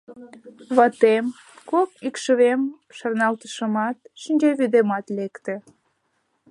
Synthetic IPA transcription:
βɑt̪em | kokykʃəβem | ʃɑrnɑlt̪ə̥ʃəmɑt̪ʃinʲd͡ʑeβyd̪emɑt̪lekt̪ĕ

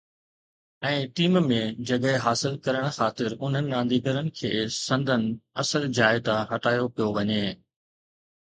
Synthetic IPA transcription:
ɛ̃ːʈiːmmẽd͡ʑɐɠɦɪɦaːsɪlkɐɾəɽ̃xaːt̪ɪɾʊn̤ənɪ̆ɾãːn̆d̪iːɡəɾənɪ̆kʰeːsɐ̃nd̪ʱənɪ̆ɐsəld͡ʑaːɪt̪aɦɐʈaːjopijoʋɐɲeː

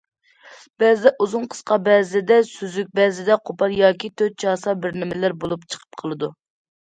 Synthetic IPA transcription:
b̥ɛzɪd̪ɛʔuzʊnqʰə̥sqɑbɛzɪd̪ɛsyzyk̚ʲbɛzɪd̪ɛqʰopʰɑlˠjɑːkʲit̪ʰøt̪̚t͡ʃʰɑːsɑbɪɾnɪmɪlæɾbolˠupt͡ʃʰə̥qʰə̥p̚qʰəlˠɨd̪u

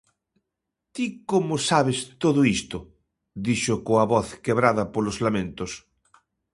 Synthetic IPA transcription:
t̪ikomʊsaβest̪oðʊist̪ʊ | d̪iʃʊkoɐβɔθkeβɾaðɐpolozlamẽnt̪os

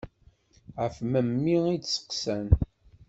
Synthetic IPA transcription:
ʁəfməmːiidsə̥qsæn

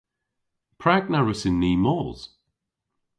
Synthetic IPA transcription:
pʰɹak̚naɹəsɪnːiːmɔːz̥

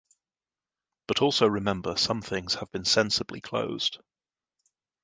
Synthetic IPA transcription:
b̥ʌtʰɔˑlˠsəʊɹɪmɛ̃mbəsʌ̃mθɪ̃ŋz̥əvbɪ̃nsɛ̃nsəblḭkʰl̥ə̰ʊz̥d̥

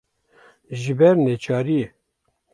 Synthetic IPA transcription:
ʒɪbɛɾnet͡ʃɑːɾie

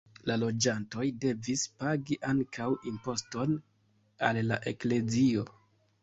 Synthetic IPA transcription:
lalo̞d͡ʒanto̞jde̞vispaɡiʔaŋkʰawimpo̞sto̞n | alːaʔe̞kle̞zio̞

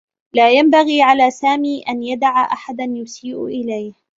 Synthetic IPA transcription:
laːjambaɣiːʕalaːsaːmiːʔanjad̪aʕaʔaħad̪anjʊsiːʔʊ̰ʔɪlajh

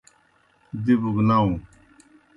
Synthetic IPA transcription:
d̪ibuɡnaũ

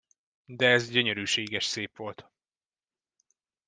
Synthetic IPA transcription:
d̪ɛɛzɟøɲøɾyːʃeːɡɛʃseːpʋo̞lt̪

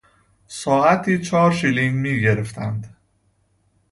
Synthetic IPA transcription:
sɒːæt̪ʰiːt͡ʃʰɒːɾʃiliŋɡmiːɟe̞ɾe̞ft̪ʰænd̪

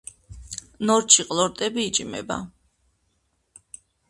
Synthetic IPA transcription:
nɔɾt͡ʃʰiqʼlˠɔɾt̪ʼɛbiːt͡ʃʼmɛ̰ba̰

